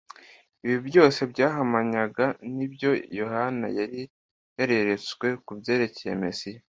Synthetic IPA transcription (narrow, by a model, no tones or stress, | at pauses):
iβibjo̞ːse̞bɟaːɦamaɲaɡanibjo̞jo̞hana̰jaɾi | he̞ɾe̞ɾe̞t͡swe̞kubje̞ːɾe̞cejḛmesija